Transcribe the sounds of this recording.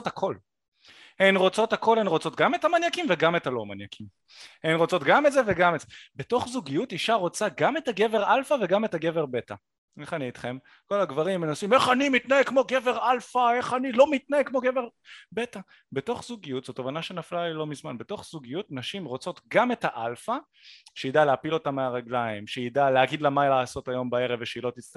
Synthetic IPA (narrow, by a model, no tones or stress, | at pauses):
otakʰo̞l | henʁo̞t͡so̞thako̞lenʁot͡so̞tɡame̞tamanjakimveɡame̞taloma̰njakim | enʁo̞t͡so̞tɡametzeveɡametz̥ebe̞to̞χzuɡijutiʃaʁo̞t͡saɡame̞taɡe̞veʁalfaveɡame̞taɡe̞ve̞ʁbe̞ta̰ | e̞χaniitχe̞m | ko̞laɡvaʁimːenasime̞χanimit̪naekmo̞ɡeve̞ʁalfae̞χanilo̞mit̪̚naekmo̞ɡe̞veʁbe̞ta | be̞to̞χzuɡijutz̥otovanaʃe̞naflalilo̞mizmanbe̞to̞χz̥uɡijutnaʃimʁo̞t͡so̞tɡame̞taʔalfa | ʃejidaleapilo̞tameaʁaɡlaimʃeidaleaɡid̪lamajlaːso̞tajo̞mbae̞ʁeveʃeilo̞t̪ist